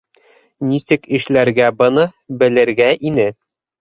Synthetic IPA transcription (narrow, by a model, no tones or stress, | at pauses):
nisɘkɘ̆ʃlæɾɡæbɤ̆nɤbɘ̆lɘ̆ɾɡæʔinɘ